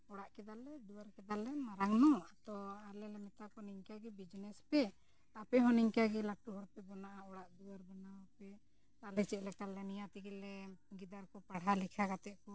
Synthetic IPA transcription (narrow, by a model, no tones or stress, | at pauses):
ɔɽaʔkɛd̪alɛd̪uaɾkɛd̪alɛmaɾaŋnɔat̪ɔalɛlɛmɛt̪akɔniŋkaɡɛbid͡ʒnɛspɛ | apɛɦɔniŋkaɡɛlaʈuɦɔɾpɛbɔnaʔaɔɽaʔd̪uwaɾbɔnawpɛ | alɛt͡ʃɛʔ̚lɛkalɛnijat̪iɡɛlɛɡid̪aɾkɔpaɽɦalikʰakat̪ɛʔkɔ